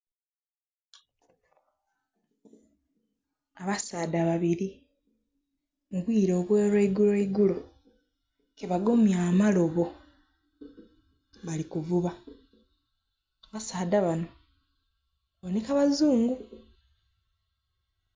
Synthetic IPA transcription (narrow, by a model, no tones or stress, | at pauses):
aβasaːdaβaβiɾi | muβwiːɾo̞ːβweːɾweiɡuleiɡulo̞ | keβaɡomjaːmalo̞βo̞ | βalikuvuβa | βasaːdaβano̞ | onikaβazuːŋɡu